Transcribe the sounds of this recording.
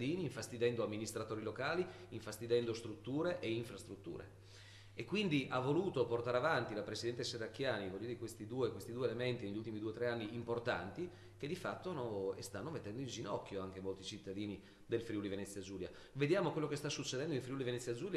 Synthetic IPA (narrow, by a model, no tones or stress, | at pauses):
d̪iːniːɱfast̪id̪ɛnd̪oamːinist̪ɾat̪oːɾilokaːli | iɱfast̪id̪ɛnd̪ost̪ɾut̪ːuːɾeʔeiɱfɾast̪ɾut̪ːṵːɾḛ | ekːwind̪iʔavːoluːt̪oport̪aɾeavant̪ilapɾesid̪ɛnt̪eserakːjaːnivolut̪od̪ikwest̪id̪uːekwest̪id̪uelement̪ineʎult̪imid̪uːet̪ɾeanːiːmport̪a̰nt̪i | k̟ed̪ifat̪ːonoest̪anːomet̪ːɛnd̪oind͡ʒinɔkːjoaŋk̟emolt̪it͡ʃit̪ːad̪iːni | d̪elfɾiulivenɛt̪sːjad͡ʒuːlja | ved̪jaːmokwelːokest̪asːut͡ʃːed̪ɛnd̪oiɱfɾiulivenɛt̪sːjad͡ʒuːlj